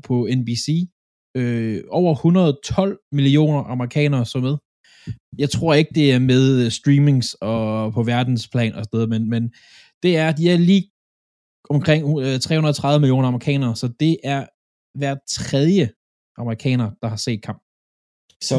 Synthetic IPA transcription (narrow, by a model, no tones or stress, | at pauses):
pʰɒ̽enb̥isiː | øɒʊ̰ɐhunɐð̞ˠt͡sʰɒ̽l̰milio̝̰ːnɐʔɑ̈məʁikʰɛ̰ːnɐːsɒ̽meðˠ | jɑ̈ɪt͡sʰʁo̝ɐe̝ɡ̥əd̥e̝æɐmeð̞ˠsd̥ʁiːme̝ŋsɒ̽pʰɒ̽ʋæɐd̥n̩spʰlɛ̰ːnʔɒsɒd̥eðˠɐmenmen | d̥e̝æɐd̥iæɐliː | ɒ̽mkʰʁeŋ̰t͡sʰʁɛ̰hunɐðˠt͡sʰʁɑ̈ʋəmilijo̝̰ːnɐɑ̈mɐʁikʰɛ̰ːnɐːsɒ̽d̥e̝ʔæɐ | ʋæɐd̥̚t͡sʰʁɛð̞ˠjə | ʔɑ̈mɐʁikʰɛ̰ːnɐd̥ɑ̈hɑ̈se̝̰ːd̥̚kʰɑ̈m̰b̥̚